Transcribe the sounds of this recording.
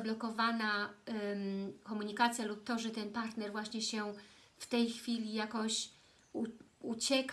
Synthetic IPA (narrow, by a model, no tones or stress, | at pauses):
blɔkɔvana | kɔmuɲikat̪sʲjalup̚t̪ːɔʐɛt̪ɛnpaɾt̪nɛɾvwaɕɲɛɕɛ | ft̪ɛjxfʲilʲijakɔɕ | uut͡ɕɛk